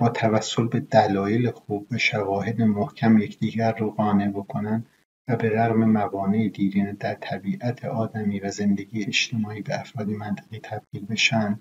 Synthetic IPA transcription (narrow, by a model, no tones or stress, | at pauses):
b̥ɒːt̪ʰævæsːo̞lbe̞d̪ælɒːje̞lexuːbːæʃævɒːhe̞d̪emohcʰæmje̞cʰd̪̥iːɟæɾːoɣɒːne̞bo̞kʰonænd̪ | væbe̞ɾæɣme̞mævɒːneed̪iːɾiːned̪æɾt̪ʰæbiːʔæt̪ʰeʔɒːd̪æmiːvæze̞nd̪e̞ɟiːjeet͡ʃt̪ʰe̞mɒːiːbeæfɾɒːd̪emænt̪ʰeɣiːt̪ʰæb̥ɡiːlbe̞ʃænd̪̥